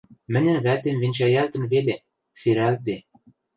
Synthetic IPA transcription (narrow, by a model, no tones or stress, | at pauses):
mɘ̆nʲɘ̆nβæt̪emvenʲt͡ɕæjælt̪ɘ̆nβele | siɾælt̪e